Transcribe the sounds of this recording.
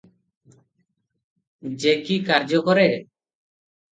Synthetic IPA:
d͡ʒekikaɾd͡ʒɔkɔɾɛ

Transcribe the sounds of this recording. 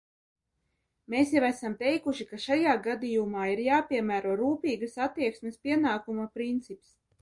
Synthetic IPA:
meːsjavæsamt̪ɛjkuʃikaʃajaːɡad̪ijumaːiɾjaːpʲiɛmæːɾuɔɾuːpʲiːɡasat̪ːiɛksmʲespʲiɛnaːkumapɾint̪sips

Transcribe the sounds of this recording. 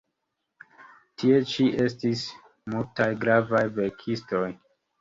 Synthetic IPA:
tʰie̞t͡ʃiʔe̞s̬tis | multajɡɾavajve̞ɾkʰisto̞j

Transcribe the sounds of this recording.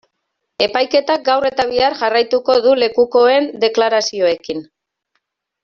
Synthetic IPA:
e̞pajke̞t̪ak̚ɡawre̞t̪aβ̞iaɾʝarajt̪uko̞ðule̞kuko̞e̞nd̪e̞klaɾasio̞e̞kin

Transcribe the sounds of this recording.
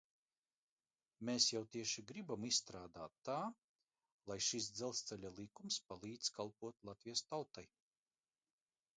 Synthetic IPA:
meːsjawt̪iɛʃiɡɾibamisːt̪ɾaːd̪aːt̪ːaː | lˠajʃis̬d̪zɛlˠst̪sɛlʲalˠikumspalˠiːd̪z̥kʰalˠpuɔt̪lˠat̪vʲijɐst̪awt̪aj

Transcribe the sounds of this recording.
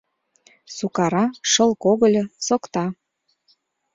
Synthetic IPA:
sukɑɾɑʃɤlkoɣə̆lʲɤsokt̪ɑ

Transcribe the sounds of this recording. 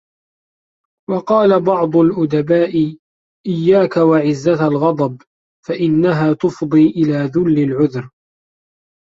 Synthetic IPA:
wɑqɑːlabɑʕd̪ˤʊlʔʊd̪abaːʔɪ | ʔɪjːaːkawaʕɪzːaalɣɑd̪ˤɑb | faʔɪnːaɦaːt̪ʊfd̪ˤiːʔɪlaːðʊlːɪlʕʊðɾ

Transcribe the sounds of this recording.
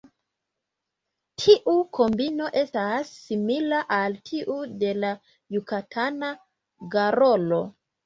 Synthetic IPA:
tʰiʔukʰo̞mbino̞ʔe̞stasːimilaʔaltʰiʔude̞la | jukatʰana | ɡaɾo̞lo̞

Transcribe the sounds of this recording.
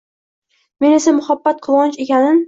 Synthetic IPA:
me̞ne̞samʊhabːat̪̚qʰɨlˠɒnt͡ʃe̞kʲanɪm

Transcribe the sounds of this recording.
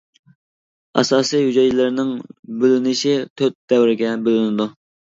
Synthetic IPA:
ɑ̰sɑːsijhyd͡ʒɛjlɪɾnɪŋbølynɪʃit̪ʰøt̪̚d̪ɛwɾɪɡʲɛbølynɪd̪u

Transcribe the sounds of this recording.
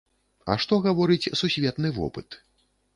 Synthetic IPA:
ɐ̰ʂt̪ɔɣavɔɾɨt͡sʲsusʲvʲɛt̪nɨvɔ̰pɨt̪

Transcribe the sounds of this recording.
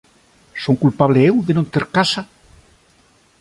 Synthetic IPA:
soŋkulpaβleewðenõnt̪eɾkasa

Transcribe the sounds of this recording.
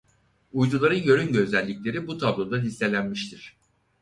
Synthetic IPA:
ujd̪ulˠaɾɯnjø̞ɾynɟøzælʲːicʲlʲe̞ɾibut̪ʰablˠod̪alʲisːe̞lʲænmiʃt̪ʰiɾ̥

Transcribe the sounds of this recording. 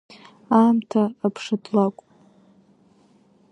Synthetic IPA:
aːmtʰaːpʰʂadlakʷʼ

